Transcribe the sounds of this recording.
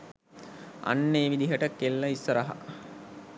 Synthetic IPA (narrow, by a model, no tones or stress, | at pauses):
a̰nːeːʋid̪iɦəʈəkelːəisəɾəɦa̰